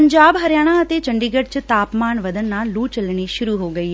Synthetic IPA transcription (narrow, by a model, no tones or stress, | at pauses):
əɲd͡ʒaːbɦəɾjaːɽ̃ãət̪eːt͡ʃəɳɖiːɡəɖ̚t͡ʃt̪aːpmaːnʋəd̪ənːaːluːt͡ʃəlɽ̃iːʃʊɾuːɦoːɡəiːɦ